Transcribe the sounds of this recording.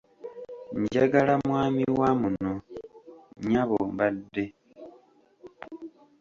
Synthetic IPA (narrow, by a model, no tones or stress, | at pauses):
ɲɟaɡalamwaːmiwamuno | ɲaβoːmbadːe̞